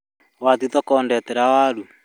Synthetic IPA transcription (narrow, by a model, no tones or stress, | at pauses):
watitɔkɔːndɛtɛɾawalu